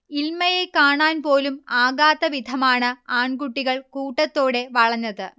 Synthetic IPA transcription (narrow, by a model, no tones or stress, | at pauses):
ilmɐjekaːɳaːnpo̞ːlumaːɡaːt̪ːɐʋid̪ʱɐmaːɳɨaːɳɡuʈːiɣɐɭkuːʈːɐt̪ːo̞ːɽe̞ʋɐɭɐɲːɐðɨ